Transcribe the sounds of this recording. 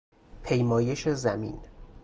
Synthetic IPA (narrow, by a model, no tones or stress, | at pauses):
pʰe̞jmɒːje̞ʃe̞zæmḭn